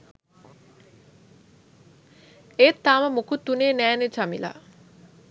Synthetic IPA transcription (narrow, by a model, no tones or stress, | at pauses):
eːt̪ːaːməmukut̪ːuneːnæːnet͡ʃamḭla̰